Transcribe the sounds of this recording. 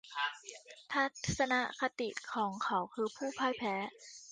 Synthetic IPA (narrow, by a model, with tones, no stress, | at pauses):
t̪ʰa˦˥˩t̪sa˧na˦˥ʔka˧t̪i˨˩ʔkʰɔː˩˦ŋkʰa˩˦wkʰɯː˧pʰuː˥˩pʰaː˥˩jpʰɛː˨˦˥